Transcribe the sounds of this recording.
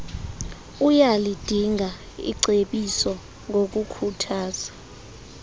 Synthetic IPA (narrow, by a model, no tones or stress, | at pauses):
ujalid̥ʱiŋɡʱa | ḭǀeɓisɔ | ŋʱok̬ʼukʰutʰaːz̥a